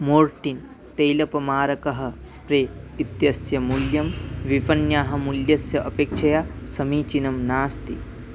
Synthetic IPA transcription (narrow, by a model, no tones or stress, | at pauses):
moːɾʈin | t̪ejlɐpɐmaːɾɐkɐɦɐ̆spɾeːit̪jɐsjɐmuljɐmʋipɐnjaːɦɐ̆muljɐsjɐʔɐpeːkʃɐjasɐmiːt͡ʃinɐmnaːst̪ḭ